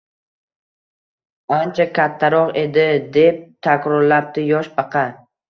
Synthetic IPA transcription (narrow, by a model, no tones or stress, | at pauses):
ant͡ʃʰakʲʰat̪ʰːaɾɒqe̞d̪ɪd̪e̞p̚t̪ʰakʲɾɒɾlap̚t̪ɪjɒʃbɑqʰɑ